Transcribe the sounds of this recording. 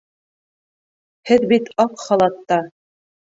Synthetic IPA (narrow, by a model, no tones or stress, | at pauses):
hɘðbit̪ɑqχɑlˠɑt̪ːɑ